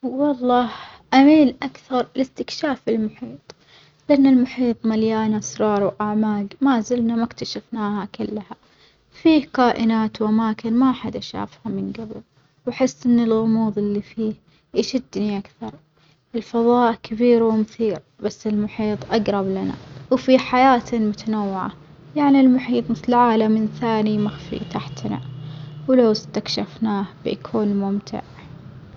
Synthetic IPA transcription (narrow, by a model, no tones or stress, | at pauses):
wɑlˤːɑːhʔamiːlʔakθɑɾˤlɪst̪ɪkʃaːfɪlmʊħiːt̪ˤ | lɪʔanːalmʊħiːt̪ˤmaljaːnasɾˤɑːɾˤwʔaʕmaːɡmazɪlnamakt̪aʃafnaːhakʊlːha | fiːhkaːʔɪnaːt̪wʔamaːkɪnmaʔaħad̪ʔaʃa̰ːfhamɪnɡabɪl | wħɪsːʔɪnːɪlɣʊmuːðˤɪlːifiːh | ʔaʃɪd̪ːniʔakθɑɾˤ | ɪlfɑðˤɑːʔkʰɪbiːɾwɪmʊθiːɾ | basːɪlmʊħiːt̪ˤʔaɡɾˤɑblana̰wfiːħajaːt̪mʊt̪anawːɪʕa̰ | jaʕnilmʊħiːt̪ˤmɪθlʕaːlamɪnθaːnimaxfḭt̪aħt̪na̰wlawst̪akʃafnaːhbɪ̰ʔakʰuːnmʊmt̪ʰɪ̰ʕ